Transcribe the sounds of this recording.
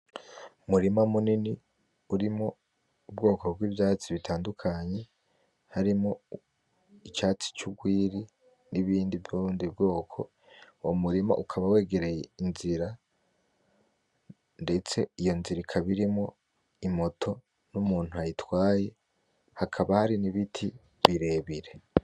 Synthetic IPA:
umuɾimamunini | uɾimo | ubɡo̞ːko̞bɡwiːvjaːt͡siβitʰaːndukʰaɲe̞ | haɾimo | it͡ʃaːt͡si̥t͡ʃuɡwiːɾi | niβiːndivjuɾuːndibɡo̞ːkʰo̞ | omuɾima̰ʔukʰaβawe̞ːɡe̞ɾe̞jeinziɾa | nde̞t͡se̞ijo̞nziɾikʰaβiɾimŋo | imo̞tʰo̞ | numuːn̥uajitwaːje̞ | hakʰaβahaɾiniβitʰi | βiɾe̞ːβiɾe

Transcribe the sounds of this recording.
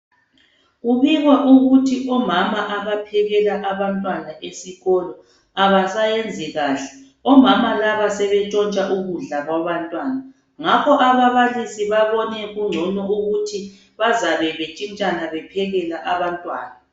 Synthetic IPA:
ɣuβiɣwaʔuɣutʰiʔɔmamaʔaβapʰɛɣɛlaʔaβantʼwanaʔesiɣɔlɔ | aβasajend͡zʱiɣaːɬɛ | ɔmamalaβasɛβɛt͡ʃʼɔnt͡ʃʼaʔuɣuɮaɣwaβantʼwaːna | ŋakʰɔʔaβaβalisiβaβɔnɛɣuŋ͡ǀʱɔnɔʔuɣutʰi | βazaβɛβet͡ʃʼint͡ʃʼanaβɛpʰɛɣɛlaʔaβantʼwa̰ːna

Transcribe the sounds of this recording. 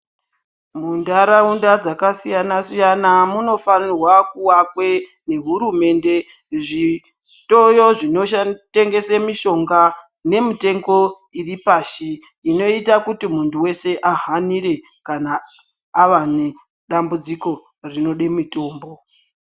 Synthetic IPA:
mundaɾaundad͡zakasijanasijanamuno̞fanirwakuwakwe̞ | ne̞ɦuɾume̞nde̞ | ʐi | to̞jo̞ʐino̞ate̞ŋɡe̞semiʃo̞ŋɡa | ne̞mite̞ŋɡo̞ | iripaːʃiː | no̞itakutimuntuwe̞se̞ʔaɦaniɾe̞ | kanaː | ʋane | ɗambud͡ziko̞ | rino̞ɗemito̞ːmbo̞

